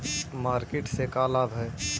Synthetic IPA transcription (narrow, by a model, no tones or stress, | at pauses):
maːɾkeʈsekaːlabɦɛ